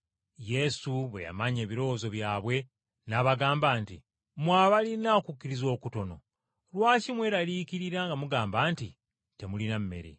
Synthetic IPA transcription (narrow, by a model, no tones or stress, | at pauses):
je̞suβe̞̰ja̰maɲe̞ːβiɾo̞wozo̞βjaːβwe̞ | naβaɡaːmbaːntḭ | mwaːβalinakukːiɾizo̞ːkuto̞no̞̰ | lwaːcimwe̞ːɾaliːkiɾiɾaŋɡamuɡaːmbaːnti | te̞mulinamme̞̰ɾḛ